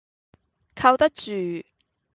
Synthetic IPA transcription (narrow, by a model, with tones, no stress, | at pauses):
kʰɐ˧wt̪ɐ˥k̚t͡ʃyː˨˩